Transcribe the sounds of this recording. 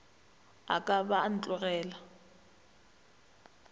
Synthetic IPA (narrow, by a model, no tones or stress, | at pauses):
a̰kʼaban̩t͡ɬʼʊrɛːla